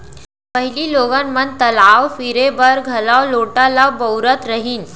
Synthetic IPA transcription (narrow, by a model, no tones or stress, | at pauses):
pəɦiliːloɡanmənt̪əlawfiɾebəɾɡʱəlawloʈalabəwɾət̪ɾəɦiːn